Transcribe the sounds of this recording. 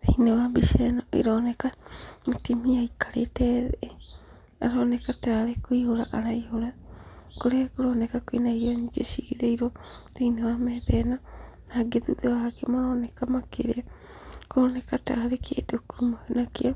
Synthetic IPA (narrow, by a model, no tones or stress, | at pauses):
teinewabiʃenoḭɾɔnekamitimiaikaɾetɛð | a̰ɾonekataɾekuihoɾaʔaɾaihoɾakoɾekuɾɔːnekakwinaiɾoɲiɡeʃiɣiɾeiɾoteinewamɛðɛnanaɡeðuðewakemoɾɔnɛkamakeɾea | koːnekataɾekʰḛdokumanakeɔ